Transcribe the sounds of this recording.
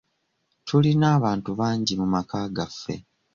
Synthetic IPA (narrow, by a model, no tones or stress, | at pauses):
tʰulinaːβaːntuβaːɲɟimumakaːɡafːe̞̰